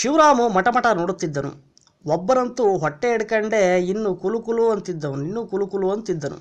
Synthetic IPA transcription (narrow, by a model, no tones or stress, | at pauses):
ʃiʋɾaːmumɐʈɐmɐʈɐnoːɽut̪ːid̪ːɐnṵ | ɔbːɐɾɐnt̪uɦɔʈːeːɽɐkɐɳɖe̞ːinːukulukuluɐnt̪id̪ːɐnuninːukulukuluɐnt̪id̪ːɐnṵ